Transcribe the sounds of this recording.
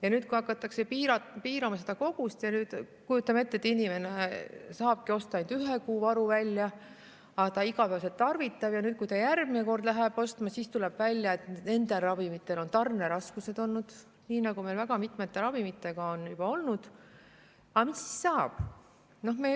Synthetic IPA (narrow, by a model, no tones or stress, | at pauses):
jɑnyːd̪̥̚kujɑkːˑɑt̪ːˑɑkse̞piːɾɑpiːɾɑmɑse̞d̪̥ɑko̞ɡ̥ust̪jɑnyːd̪̥ | kujut̪ːˑɑme̞t̪ːe̞t̪ːinime̞ne̞sɑːb̥̚kio̞st̪ɑɑnd̪̥yɦekuːvɑɾuvælʲjɑ | ɑt̪ɑiɡɑpæːse̞lt̪ːɑrvit̪ːˑɑb̥jɑnyːt̪̚kujt̪ɑjærɡ̥mineko̞rd̪læɦeb̥o̞st̪mɑsiːst̪ulɛb̥vælʲjɑet̪ne̞nd̪̥e̞lrɑvimit̪ːˑe̞lo̞nt̪ɑrne̞ɾɑskuse̞d̪o̞lnud̪̥ | niːnɑɡume̞lvæɡ̥ɑmit̪ˑmet̪ːe̞ɾɑvimit̪ːˑe̞ɡ̥ɑo̞njub̥ɑo̞lnud̪̥ | ɑmisːi̥ssɑːb̥ | no̞hme